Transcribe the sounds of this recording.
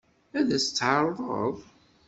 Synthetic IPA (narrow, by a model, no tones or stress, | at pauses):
æðæst͡sːʕɑɾˤðˤə̰ðˤ